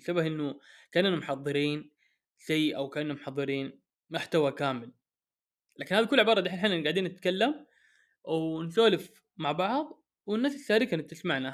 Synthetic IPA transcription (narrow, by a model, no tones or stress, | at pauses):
sabahʔɪnːʊkaːʔnanamʊħɑðˤːɨɾiːn | sajːʔawkaːnnːamʊħɑðˤːɨɾiːn | maħt̪awakaːmɪl | laːkɪnhaːðikʊlːʕɪbɑːɾˤd̪iːħalħaːnnɡaʕd̪iːnːɪt̪kalːam | wnsoːlɪf | maʕbɑʕðˤ | wɪnːaːsɪsːaːɾɪkanɪt̪ɪsmaʕna